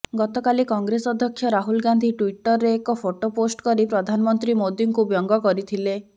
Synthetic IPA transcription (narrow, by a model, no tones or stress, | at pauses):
ɡɔt̪ɔkalikɔŋɡɾesɔd̪ʱjɔkʰːjɔɾaɦulɡand̪ʱiʈwiʈɔɾːeːkɔpʰoʈoposʈkɔɾipɾɔd̪ʱanɔmɔnt̪ɾimod̪jiŋkubjɔŋɡɔkɔɾit̪ʰile